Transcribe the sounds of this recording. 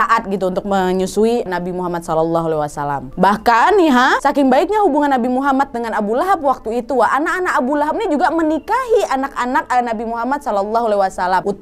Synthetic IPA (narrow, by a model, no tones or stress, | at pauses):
aʔat̪̚ɡit̪̬uunt̪ʊk̚məɲusuinabimuɦamat̪̚sɔlɔlːɔɦualawasala̰mbahkaniɦasakɪŋbaɪk̚ɲahubuŋanːabimuɦamat̪̚dəŋanabulaɦap̚wak̚t̪uit̪uaanakanakabulaɦap̚nid͡ʒuɡamənikaɦiʔanakanak̚nabimuɦamat̪̚sɔlɔlːɔɦualaiwasalamut̪